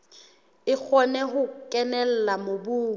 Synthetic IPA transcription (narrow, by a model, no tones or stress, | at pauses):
ɪk͡xʰɔnɛɦʊkʼɛnɛl̩lamobuːŋ̩